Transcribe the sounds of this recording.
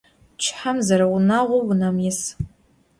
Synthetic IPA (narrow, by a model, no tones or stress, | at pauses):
t͡ʃʰħamzɐɾawʊnaʁʷʊwʊnamjɪs